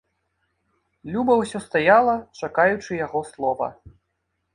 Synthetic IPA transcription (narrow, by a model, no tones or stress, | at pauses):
lʲubɐwsʲɔst̪ajalˠɐt͡ʂakajut͡ʂɨjaɣɔslˠɔvɐ̰